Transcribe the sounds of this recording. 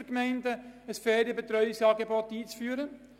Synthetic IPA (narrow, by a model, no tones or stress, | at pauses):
kmɛɪndəəsfɛːdibet̪ɾœʏɪsɑːɡebɔtiːt͡sfyːɾə